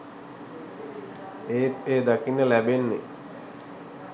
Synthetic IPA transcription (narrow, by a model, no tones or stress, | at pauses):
eːt̪eːd̪akinːəlæbenːḛ